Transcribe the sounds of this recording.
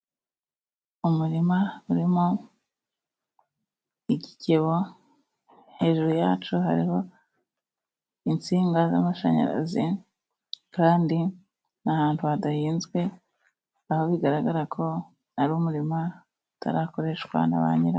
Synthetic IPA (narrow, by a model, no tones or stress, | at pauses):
umuɾimauɾimo | iɟiceβo̞ | he̞ːʒuɾujaːt͡ʃuha̰ɾiho̞ | int͡siːŋɡaza̰maʃa̰ɲa̰ɾa̰zi | kaːndi | nahaːntuadahiːnzɡwe̞ | aho̞βiɡaɾaɡaɾakʰo̞ | naɾuumuɾima | utʰa̰ɾaːko̞ɾe̞ʃkwa̰na̰βa̰ːɲiɾa